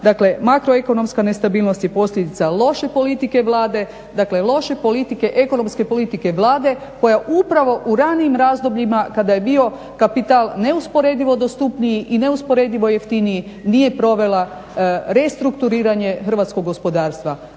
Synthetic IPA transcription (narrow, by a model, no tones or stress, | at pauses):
d̪akle̞makɾoe̞ko̞no̞mskane̞st̪abiːlˠnost̪je̞po̞sʎʲed̪it̪salˠo̞ʃe̞po̞lit̪ike̞ʋlˠaːd̪e̞ | d̪akle̞lˠo̞ʃe̞po̞lit̪ike̞ʔe̞ko̞no̞mske̞po̞lit̪ike̞ʋlˠaːd̪e̞ | ko̞jaʔupɾaʋo̞ʔuɾaniːmɾaːzd̪o̞bʎimakad̪ajebio̞ | kapit̪alˠne̞uspo̞ɾe̞d̪iʋo̞d̪ost̪upnijiʔine̞uspo̞ɾe̞d̪iʋo̞jeft̪iniji | nije̞pɾo̞ʋe̞la | ɾe̞st̪ɾukt̪uɾiːɾaɲe̞xr̩ʋat̪sko̞ɡo̞spo̞d̪aːɾst̪ʋa